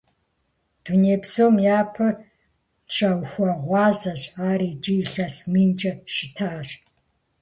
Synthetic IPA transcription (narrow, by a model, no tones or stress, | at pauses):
d̥uneːbzoːmjaːpʰɐ | t͡ʃʰʼɐwxʷɐʁʷɑːzɐɕʼaːɾiːd͡ʒiɬɐsmiːnd͡ʒʼɐʃɪtʰaːɕ